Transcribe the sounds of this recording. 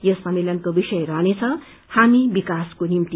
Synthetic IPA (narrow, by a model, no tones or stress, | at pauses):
jʌsʌmelʌnkobisʌjɾʌɦnet͡sʰʌ | hamibikaskonimt̪i